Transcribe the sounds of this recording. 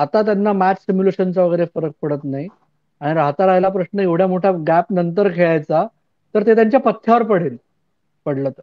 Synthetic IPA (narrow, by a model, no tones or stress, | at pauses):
at̪at̪janːamæt͡ɕsimjuleɕənt͡saʋəɡəjɾefəɾək̚pəɽət̪nai | aɽ̃iɾaɦt̪aɾajlapɾəɕnəeʋɽ̤jamoʈʰaɡæpnənt̪̬əɾkʰeɭajt͡sa | t̪əɾt̪et̪̬jaɲt͡ɕjapət̪ʰːjaʋəɾpəɽiːl | pəɽlət̪